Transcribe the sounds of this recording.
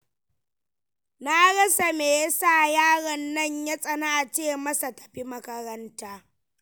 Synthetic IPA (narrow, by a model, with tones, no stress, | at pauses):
naː˦ɽɐ˦sa˨meː˨ja˦saː˦˨jaː˦ɽɐ˨nːɐ˦ɲja˦sʼɐ˨na˦ʔa˨t͡ʃeː˦˨mɐ˦sa˨tɐ̥˨ɸi˦mɐ˦kɐ˦ɾɐ˦ntaː˦